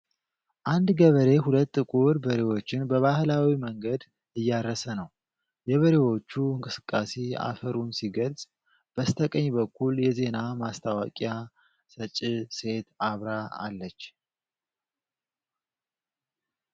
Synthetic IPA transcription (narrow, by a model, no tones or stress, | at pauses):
ʔand̪ɡəβəɾe̞ɦulət̪ːɨkʼuɾbəɾewo̞t͡ʃːɪnbəβahlawiməŋɡəd̪ | ɨjːaɾəsənəw | jɛβəɾe̞wo̞t͡ʃːuɨŋkʼɨsɨkʼːasea̰fəɾunsiɡəlzʼ | b̥əst̪ʰəkʼəɲːbəkːuljɛze̞namast̪ʰawakʼja | sət͡ʃʼːise̞t̪aβɾaa̰lːət͡ʃː